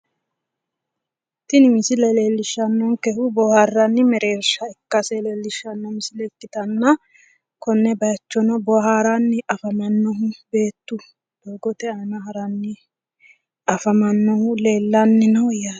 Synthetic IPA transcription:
t̪ɪnɪmɪsɪlɛleːlːɪʃːɐnːɔnkɛhʊbɔhɐrːɐnːɪmɛɾe̞ːɾʃɐɛkːɐsɛle̞ːlːɪʃːɐnːɔmɪsɪlɛkːɪt̪ɐnːɐ | kɔnːɛbɐjɐt͡ʃːɔnɔbɔɦaːɾanːɪʔɐfɐmɐnːɔɦʊbe̞ːt̪ːʊ | d̪̥oːɡɔt̪ɛaːnɐɦɐɾɐnːɪ | ɐfɐmɐnːɔhʊle̞ːlːanːɪnɐwjaː

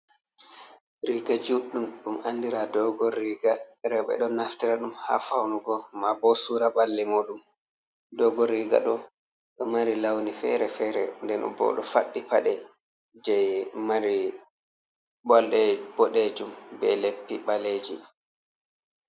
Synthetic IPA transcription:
ɾiɡad͡ʒuɗːumɗumanːdiɾadɔɡɔɾiːɡaɾɛwɓɛ̰ɗɔnaftiɾaɗumha̰fawnuɡɔmabɔsuːɾabalːɛmoːɗum | dɔɡɔɾiːɡa̰ɗɔ | ɗɔmaɾilawnifɛ̰ɾɛfɛɾɛndɛnɔ̰bɔ̰ɗɔ̰fa̰ɗːipaɗɛ | d͡ʒɛjmaɾi | bɔlɗɛb̥ɔɗed͡ʒumbɛlepːiɓaled͡ʒḭ

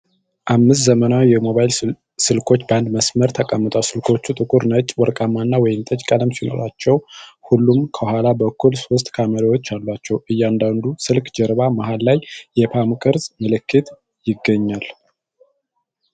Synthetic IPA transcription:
ʔamːɨst̪zəmənawjɛmo̞βajl | sɨlkʰo̞t͡ʃːband̪məsməɾt̪ʰəkʼamːɨt̪ʼawsɨlkʰo̞t͡ʃːut̪ʼɨkʼuɾnət͡ʃʼwɔɾkʼamːanːawɔjɪnt̪ʼət͡ʃʼkʼələmsino̞̰ɾat͡ʃːɛwhulːumkʰəhalabəkːulso̞st̪ʼkʰaməɾəwo̞t͡ʃːalːwat͡ʃːɛwʔɨjːand̪and̪usɨlkd͡ʒɛɾβamaɦalːajjɛpʰamkʼɨɾzməlɨkːɨt̪ | jɪɡːəɲːal

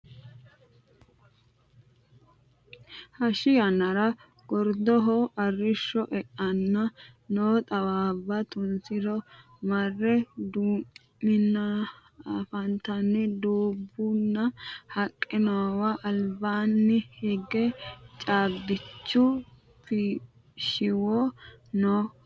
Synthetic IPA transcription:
hɐʃɪjɐnɐɾɐ | ɡ̥ɔɾd̪ɔɦɔʔɐrːɪʃːɔʔɛʔɐnːɐnoːt̪ʼɐwaːbːɐt̪ʊnsɪd̪ɔ | mɐrːɛd̪uː | mɪnːɐ | fɐnt̪ɐnːɪd̪uːbːʊnːɐhɐkʼːɪnowaʔɐlbaːnːɪhɛɡɛt͡ʃʼaːbɪt͡ʃːʊ | fɪ | ʃɪwono

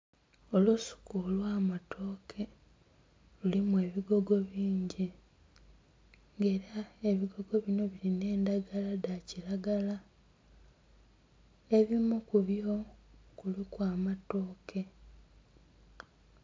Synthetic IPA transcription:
o̞lusu̥kulwaːmatʰo̞ːkʰe̞ | lulimwe̞ːβiɡo̞ɡo̞βiːɲɟi | ŋɡe̞ːɾae̞βiɡo̞ɡo̞βino̞βiline̞ːndaɡaladaciɾaɡala | e̞βimukuβjo̞kulikwaːmato̞ːkʰe̞

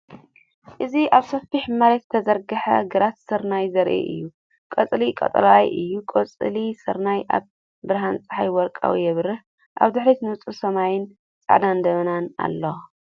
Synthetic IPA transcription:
ʔɨziaβsɐfiħmaɾet̪zɨt̪ʰɐzɐɾɡɐħɐ̰ɡɨɾat̪sɨɾnajzɐɾʔḛʔɨ̰jːu | kʼɐt͡sʼlikʼɐ̰t̪ʼɐ̰lajʔɨjːukʼɐt͡sʼɨlisɨɾnajʔa̰β | bɨɾɦant͡sʼɨ̥ħajwɔɾkʼa̰wijɛβɾɨħ | ʔa̰βd̪ɨħɾit̪nɨɨt͡sʼusɐmajɪn | t͡sʼa̰ʕd̪and̪ɐβɐnana̰lːo

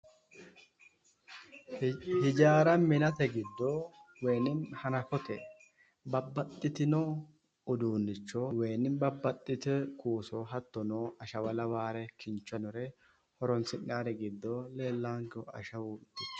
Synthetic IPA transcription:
hɪd͡ʒaːɾɐmɪnɐt̪ɛɡɪd̪ːowɛjnɪnhɐnɐkɔt̪ɛ | bɐbːɐt̪ʼːɪt̪ɪnoː | ʊd̪uːnːɪt͡ʃːɔwejnːɪnbɐbːɐt̪ʼːɪt̪ɛkʰuːsɔːɦɐt̪ːɔnoɐʃɐwɐlɐwaːɾɛkʰɪnt͡ʃːɐnɔɾɛ | hɔɾɔnsɪnːaːɾɛɡɪd̪ːoleːlːaːŋɡɔɐ̰ʃɐwuːt̪ːɪt͡ʃː

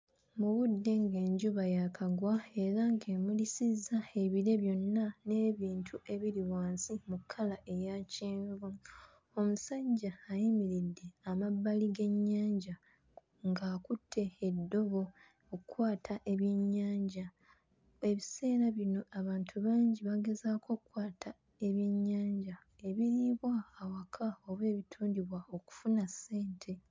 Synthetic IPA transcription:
muβudːe̞ŋɡe̞ːɲɟuβajakʰaɡwae̞ɾaŋɡe̞mulisizːae̞βiɾe̞βjo̞nːane̞ːβiːntʰuʔe̞βiɾiwaːnsimukʰːalaʔe̞jaciːɱvu | o̞musaɟaːjimiɾidːe̞amabːaliɡe̞ɲːaːɲɟa | ŋɡaːkutʰːe̞ːdːo̞βo̞ | okwaːtʰaʔe̞βje̞ɲːaːɲɟa | e̞βise̞ːɾaβino̞aβaːntʰuβaːɲɟiβaɡe̞zaːkʰo̞kkwaːtʰa | e̞βje̞ɲːaːɲɟa | e̞βiɾiβwaːwakʰaoβwe̞ːβitʰuːndiβwaoku̥funasːe̞ːntʰe̞

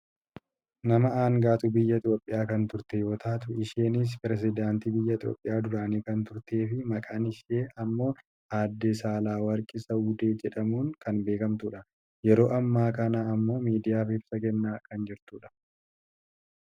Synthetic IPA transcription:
nɐmɐaːŋɡaːt̪ʊbɪjːɐɪt̪ʼjoːpʼːɪjaːkɐnt̪ʊɾt̪ɛjo̞ːt̪aːt̪ʊɪʃeːnɪs̬pɪɾɛs̬ɪd̪aːnt̪iːbɪjːɐɪt̪ʼjoːpʼːɪjaːd̪ʊɾaːniːkɐnt̪ʊɾt̪e̞ːfɪmɐkʼaːnɪʃeːʔɐmːo̞ː | haːd̪ːɛsaːlaːwɐɾkʼɪsɐʊd̪eːd͡ʒɛᶑɐmuːŋkɐnbe̞ːkɐmt̪uːᶑɐ | jɛɾo̞ːʔɐmːaːkɐnaːɐmːo̞ːmiːd̪ɪjaːfɪbsɐkɛnːaːkɐnd͡ʒɪɾt̪uːᶑɐ̥

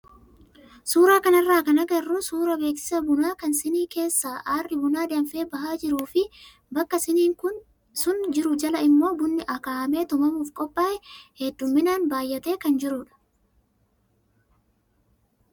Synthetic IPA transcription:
suːɾaːkɐnɐrːaːkɐnɐɡɐrːʊsuːɾɐbe̞ːksɪ̥sɐbʊnaːkɐnsɪniːke̞ːsːaːʔaːrːɪbʊnaːd̪ɐmfe̞ːbɐɦaːd͡ʒɪɾuːfɪ | bɐkːɐsɪniːŋkʊn | sʊnd͡ʒɪɾʊd͡ʒɐlɐɪmːo̞ːbʊnːɪʔɐkaːɐme̞ːt̪ʊmɐmuːfkʼɔpʼːaːʔɛhɛd̪ːʊmːɪnaːnbaːjːɐt̪e̞ːkɐnd͡ʒɪɾʊᶑɐ̥

